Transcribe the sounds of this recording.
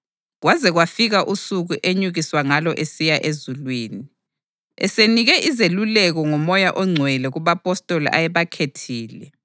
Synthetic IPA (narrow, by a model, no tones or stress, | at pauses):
ɣwazɛɣwafiɣaʔusuɣuʔeɲuɣiswaŋalɔʔesijaʔezulwiːni | ɛ̰seniɣɛʔizelulɛɣɔŋɔmɔjaʔɔŋ͡ǀʱwɛlɛɣuβapʼɔstʼolḭʔa̰jɛβakʰetʰiːlɛ